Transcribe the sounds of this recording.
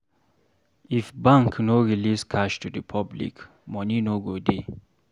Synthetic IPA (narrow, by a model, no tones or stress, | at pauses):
ifbãŋkʰnoɹiliskʰaʃtʰudipʰablḭk | mɔninoɡode